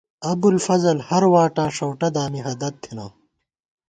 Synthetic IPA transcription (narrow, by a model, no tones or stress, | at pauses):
ɐbulfɐzɐlhɐɾwaːʈãːʂɐwʈɐd̪aːmiɦɐd̪ɐt̪ʰːinaː